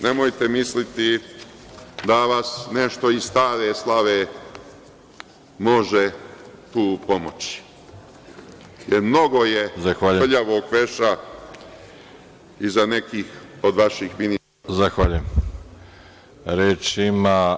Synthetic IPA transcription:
ne̞mojt̪e̞mislit̪i | d̪aʋasneʃt̪o̞izst̪aːɾeslˠaʋe | mo̞ʒet̪uːpo̞mot͡ɕi̥ | jeɾmno̞ɡoje̞zaxʋaːʎuʎaʋoːɡʋeʃa | izane̞kiːxo̞d̪ʋaʃixmini | zaxʋaʎujem | ɾeːt͡ʃima

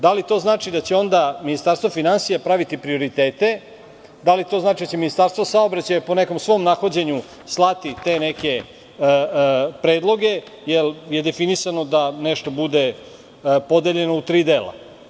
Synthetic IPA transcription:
d̪alit̪o̞ːznaːt͡ʂid̪at͡ɕeo̞nd̪aminist̪aɾst̪ʋo̞finansijapɾaʋit̪ipɾio̞ɾit̪e̞ːt̪e̞ | d̪alit̪o̞znaːt͡ʃid̪at͡ɕe̞minist̪aɾst̪ʋosao̞bɾat͡ɕajepo̞ne̞ko̞msʋo̞mnaxod͡ʑeɲu | slˠat̪it̪e̞neke̞ | pɾe̞ːd̪lˠo̞ɡe̞ | jelje̞d̪e̞finisano̞d̪aneʃt̪o̞bud̪e̞ | po̞d̪e̞ʎe̞nout̪ɾiːd̪eːlˠa̰

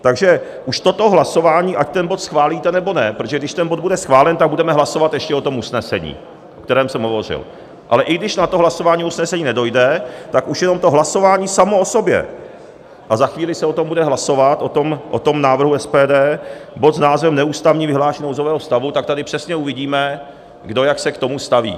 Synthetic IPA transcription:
t̪aɡʒɛ | ʔuʃt̪o̞t̪o̞ɦlaso̞vaːɲiːʔact̪ɛnbot̪sxvaːliːt̪ɛnɛbo̞nɛpɾot̪oʒɛɡdɪʃt̪ɛnbo̞d̪budɛsxvaːlɛnt̪aɡ̚budɛmɛɦlaso̞vat̪jɛʃcɛot̪o̞musnɛsɛ̰ɲḭː | ʔokt̪ɛɾɛːmsɛmɦo̞vo̞r̝ɪ̰l | ʔalɛʔɪɡdɪʃnat̪oɦlasovaːɲiːusnɛsɛɲiːnɛdo̞jdɛt̪akʔuʃjɛno̞mt̪o̞ɦlaso̞vaːɲiːsamo̞oso̞bjɛ̰ | ʔazaxviːlɪsɛot̪o̞mbudɛɦlaso̞vat̪ʔot̪omʔot̪o̞mnaːvr̩ɦuɛspɛːdɛːbo̞t̪snaːzvɛmnɛuːst̪avɲiːvɪɦlaːʃnowzovɛːɦost̪avut̪ak̚t̪adɪpr̥ɛsɲɛuvɪɟiːmɛ | ɡdo̞jaksɛkt̪o̞must̪avḭː

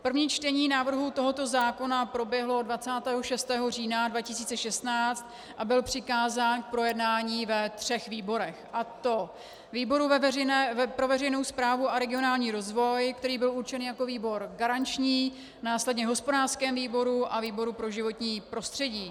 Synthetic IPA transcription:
pr̩vɲiːt͡ʃt̪ɛɲiːnaːvr̩ɦut̪o̞ɦo̞t̪ozaːko̞napɾo̞bjɛɦlo̞dvat͡saːt̪ɛːɦo̞ʃɛst̪ɛːɦo̞r̝iːnadvacɪsiːt͡sɛʃɛst̪naːt͡st̪̚ | ʔabɪlpr̝̥ɪkaːzaːnk̚pɾo̞jɛdnaːɲiːvɛt̪r̥ɛxviːbo̞ɾɛxʔat̪o | viːbo̞ɾuɛɛnːpɾovɛrɛjno̞wspɾaːvuaɾɛɡɪonaːlɲiːɾo̞zvo̞jkt̪ɛɾiːbɪluɾt͡ʃɛniːjako̞viːbo̞ɾɡaɾant͡ʃɲiː | naːslɛdɲɛɦospodaːrskɛːmviːbo̞ɾuʔaviːbo̞ɾupɾo̞ʒɪvo̞t̪ɲiːpɾo̞st̪r̥ɛɟiː

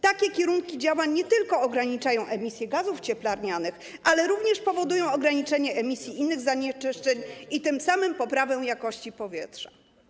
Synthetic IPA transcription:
t̪akʲɛkʲɛɾuŋkʲid͡ʑawaɲːɛt̪ɘlkɔːɡɾaɲit͡ʂajɔ̃w̃ʔɛmʲisʲjɛɡazuft͡ɕɛplaɾɲanɘx | ʔalɛɾuvɲɛʂpɔvɔd̪ujɔ̃w̃ɔɡɾaɲit͡ʂɛɲɛʔɛmʲisʲjiʔinːɘɣzaɲɛt͡ʂɘʂt͡ʂɛɲit̪ɘmsamɘmpɔpɾavɛ̃jakɔɕt͡ɕipɔvʲjɛtʂḁ

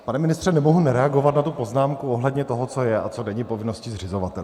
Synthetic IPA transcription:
panɛmɪnɪst̪r̥ɛnɛmoɦunɛɾɛaɡo̞vat̪nat̪upo̞znaːmkuoɦlɛdɲɛt̪o̞ɦot͡so̞jɛʔa̰t͡so̞dɛɲɪpo̞vɪno̞scɪzrɪzo̞vat̪ɛl

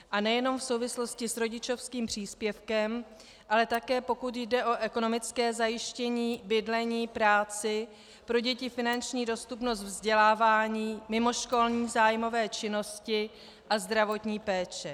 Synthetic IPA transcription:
ʔanɛjɛno̞mfso̞wvɪslo̞scɪsɾo̞ɟɪt͡ʃo̞fskiːmpr̝̥iːspjɛfkɛm | ʔalɛt̪akɛːpo̞kut̪jdɛʔo̞ʔɛko̞no̞mɪt͡skɛːzajɪʃcɛɲiːbɪdlɛɲiːpɾaːt͡sɪ | pɾo̞ɟɛcɪfɪnant͡ʃɲiːdo̞st̪upno̞st̪vzɟɛlaːvaːɲiːmɪmo̞ʃko̞lɲiːzaːjmo̞vɛːt͡ʃɪno̞scɪ | ʔazd̪ɾavo̞t̪ɲiːpɛːt͡ʃɛ

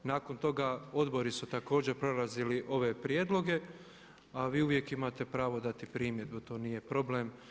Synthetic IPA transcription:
naːko̞nt̪o̞ɡao̞d̪bo̞ɾisut̪ako̞ːd͡ʑe̞ɾpɾolaziliʔo̞ʋe̞pɾje̞ːd̪lo̞ɡe̞ | aʋiːuʋje̞kimat̪e̞pɾaːʋo̞d̪at̪ipɾiːmje̞d̪but̪o̞ːnije̞pɾo̞blem

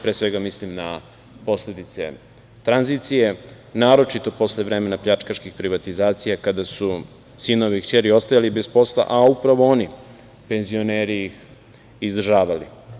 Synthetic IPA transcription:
pɾeːsʋe̞ɡamislimna | po̞sled̪it̪se̞̰ | t̪ɾanzit̪sije̞ | naːɾo̞t͡ʃit̪o̞po̞sleʋɾeːmenapʎat͡ʃkaʃkixpɾiʋat̪izaːt̪sijakad̪asu | sino̞ʋikt͡ɕeɾio̞st̪ajalibe̞spo̞slˠa̰ʔaupɾaʋo̞oni | pe̞nzio̞neːɾiix | izd̪r̩ʒaːʋali

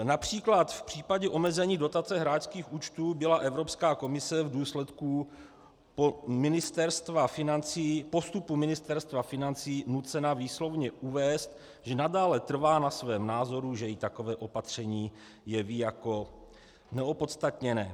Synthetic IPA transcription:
napr̝̥iːklat̪fpr̝̥iːpaɟɛʔo̞mɛzɛɲiːdo̞t̪at͡sɛɦɾaːt͡ʃskiːxʔuːt͡ʃt̪uːbɪlaʔɛvɾo̞pskaːko̞mɪsɛvduːslɛt̪ku | pomɪnɪst̪ɛɾst̪vafɪnant͡siːpo̞st̪upumɪnɪst̪ɛɾst̪vafɪnant͡siːnut͡sɛnaviːslo̞vɲɛʔuvɛːst̪ | ʒɛnadaːlɛt̪r̩vaːnasvɛːmnaːzo̞ɾuʒɛjɪt̪ako̞vɛːʔo̞pat̪r̝̥ɛɲiː | jɛviːjako̞ | nɛopo̞t̪st̪at̪ɲɛnɛː

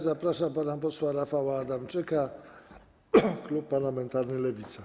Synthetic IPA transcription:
zapɾaʂapanapɔswaɾafawaːd̪amt͡ʂɘka | klupːaɾlamɛnt̪aɾnɘlɛvʲit̪sa

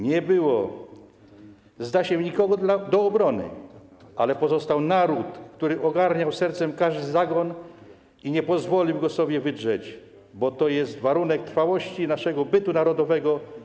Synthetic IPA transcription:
ɲɛbɘwɔ | zd̪aɕɛɲikɔɡɔlad̪ɔːbɾɔnɘ̰ʔalɛpɔzɔst̪awnaɾut̪kt̪uɾɘʔɔɡaɾɲawsɛɾt̪sɛmkaʐd̪ɘzaɡɔn | iɲɛpɔzvɔlʲiwɡɔsɔbʲjɛvɘdʐɛt͡ɕ | bɔt̪ɔjɛst̪vaɾunɛk̚t̪ɾfawɔɕt͡ɕinaʂɛɡɔbɘt̪unaɾɔd̪ɔvɛɡɔ

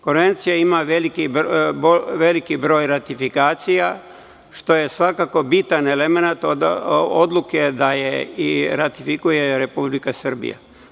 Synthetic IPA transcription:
ko̞nʋe̞nt̪sijaimaʋelikiboʋe̞likibɾo̞ːjɾat̪ifikaːt̪sija | ʃt̪o̞je̞sʋakako̞bit̪ane̞leme̞nat̪ood̪lˠuke̞d̪ajeiɾat̪ifikuje̞ɾe̞publikasr̩bḭja̰

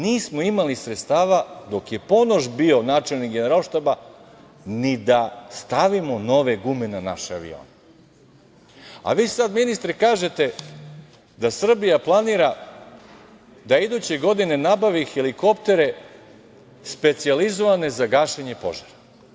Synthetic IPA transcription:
niːsmo̞imalisɾet̪st̪aːʋad̪o̞kje̞po̞noʒbio̞naːt͡ʃe̞lnikɡe̞neɾalˠʃt̪aba | nid̪ast̪aʋimo̞no̞ʋe̞ɡumenena̰ʃea̰ʋḭo̰ːne | a̰ʋiːsad̪minist̪ɾikaːʒe̞t̪e̞ | d̪asr̩bijaplˠaniːɾa | d̪aid̪ut͡ɕe̞ɡo̞d̪ine̞nabaʋixeliko̞pt̪e̞ɾe̞ | spe̞t̪sializoʋane̞zaɡaːʃeɲe̞po̞̰ʒaɾa

